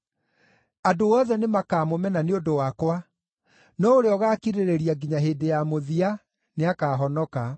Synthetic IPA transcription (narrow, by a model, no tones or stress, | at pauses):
adoɔðɛnemakaːmomɛnaneondowakwa | nɔoɾeɔɣaːkiɾeɾeɾiaɡiɲaɦeːdejamoðia | neakaːɦɔnɔka